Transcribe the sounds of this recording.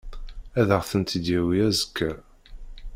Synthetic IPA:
æðəʁθənt̪əd̪jæwiæzəkːæ

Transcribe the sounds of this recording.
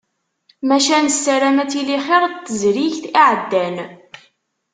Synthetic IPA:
mæʃænsːæɾæmæt͡siliχeɾˤt̪ːəzɾiʝθiʕəd̪ːæn

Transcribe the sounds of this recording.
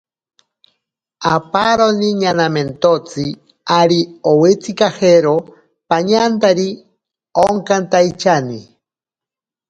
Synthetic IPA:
apaɾoniɲanament̪ot͡sɨ | aɾiowet͡sikaheɾo | paɲant̪aɾi | oŋkant̪ajt͡ʃani

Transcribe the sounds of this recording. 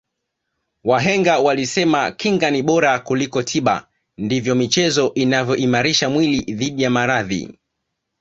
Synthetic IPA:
waɦɛŋɡawalisɛmakiŋɡaniɓɔɾakulikɔtʰiɓa̰ | ndivjɔmit͡ʃɛzɔʔinavjɔʔimaɾiʃamwiliðiɗijamaɾaðḭ

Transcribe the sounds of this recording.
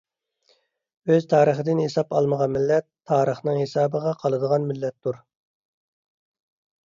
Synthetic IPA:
øzt̪ʰɑːɾəχəd̪ɪnhesɑpɑlˠməʁɑnmɪlːɛt̪ʰːɑːɾəχnɨŋhesɑːbəʁɑqʰɑlˠɨd̪əʁɑnmɪlːɛt̪ʰːuɾ

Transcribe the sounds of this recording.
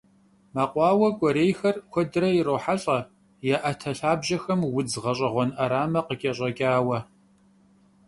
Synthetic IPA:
maːqʷɑːwɐkʷʼɔɾeːjxɐrkʷʰɔdɨɾɐjɪɾoːħaɬʼɐ | jaʔɐtʰɐɬaːbʑɐxɐmwʊd͡zʁɐɕʼɐʁʷɔnʔɐɾaːmɐqəkʲʼɐɕʼɐɡʲʼaːwɐ

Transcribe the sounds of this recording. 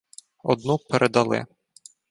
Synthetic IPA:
ɔ̰d̪nupeɾʔed̪ɐlˠɪ̰

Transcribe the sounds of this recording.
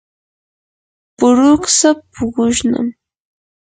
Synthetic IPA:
pʊɾʊksapʰʊɢʊʃna̰m

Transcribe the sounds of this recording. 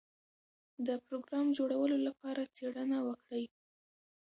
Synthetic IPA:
d̪əpɾoɡɾɑmd͡ʒoɽawəlolapɑɾat͡seɽənawəkɽəj

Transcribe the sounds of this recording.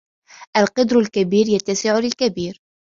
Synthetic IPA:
ʔalqɑd̪ɾalkabiːɾjat̪ːasɪʕʊlɪlkabiːɾ

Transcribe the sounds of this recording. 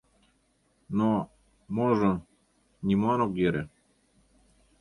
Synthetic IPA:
no | moʒɤ̆ | nʲimɑnokjeɾʲe

